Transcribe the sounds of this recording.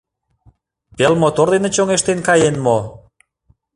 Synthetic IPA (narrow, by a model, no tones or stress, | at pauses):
pelmot̪ord̪enet͡ɕoŋeʃt̪enkɑjenmo